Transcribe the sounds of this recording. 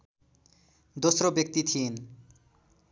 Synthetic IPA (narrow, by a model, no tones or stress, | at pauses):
d̪osɾobek̚t̪it̪ʰin